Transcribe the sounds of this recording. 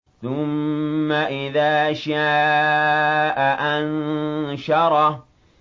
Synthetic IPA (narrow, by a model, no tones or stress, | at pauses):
θʊmːaʔɪðaːʃaː | ʔaʔanʃɑɾˤɑ